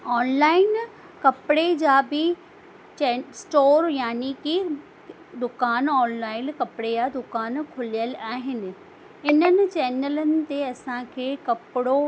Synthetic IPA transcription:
ɔːnlaːɪn | kɐpɪɽed͡ʑaːbɪ | t͡ɕɛsʈoːɾjaːniki | d̪ʊkaːnɔːnlaːɪnkɐpɽejaːd̪ʊkaːnkʰʊlijəlaːɦɪnɪ̆ | ɪnənɪ̆t͡ɕɛːnələnɪ̆t̪eɐsãkʰeːkɐpɪɽo

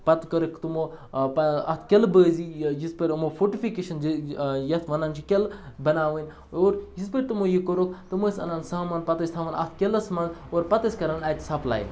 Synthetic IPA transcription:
pɐt̪kɐɾɨkʰt̪umopɐɐ̰t̪ʰkʲelbəːzijispeɾʲmofoʈifikeːʃɐnjɐt̪ʰʋɐnaːnt͡ʃʰikʲelbɐnaːʋɐnʲ | oːɾjispəɾʲt̪umojikoɾokʰt̪umoːsɐ̰naːnsaːmaːnpɐt̪ɐsʲt̪ʰaːʋɐnɐ̰t̪ʰkʲelɐsmaːnoːɾpɐt̪ɐsʲkɐɾanɐt̪ʲsɐpla̰ːjḭn

